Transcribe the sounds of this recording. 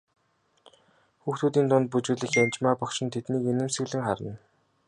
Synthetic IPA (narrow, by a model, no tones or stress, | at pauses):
xuːxt̪uːt̪̬iːnt̪ʊnt̪̚put͡ɕuːɮɘ̆xanʲt͡ɕmaːpɔkʃɪ̆nt̪ʰet̪niːkenɘ̆msɘ̆ɣɮɘ̆ŋχaɾə̆n